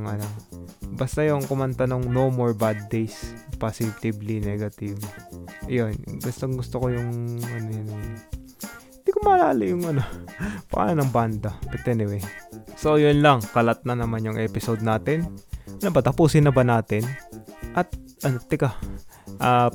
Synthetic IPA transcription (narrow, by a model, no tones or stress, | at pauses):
ŋalɐŋbast̪ajʊŋkʊmɐnt̪ɐnoŋnomoɹbad̪̚ːejspasɪt̪iblinɛɡɐt̪iv | jonɡɐst̪ɐŋɡʊst̪okojʊŋʔɐnono | ɪnd̪ikomɐlaːlɪjʊŋʔɐnopɐ̰ʔa̰ːnɐnɐŋband̪ɐpɐt̪ɛnɪwɛso̞jʊnlɐŋkɐlɐt̪̚nɐnɐmanjʊŋʔɛːpɪsod̪̚naːt̪ɪnnɐbɐt̪ɐpuːsɪnːɐbɐnaːt̪ɪnʔɐt̪̚ʔɐnot̪ɪkaʔa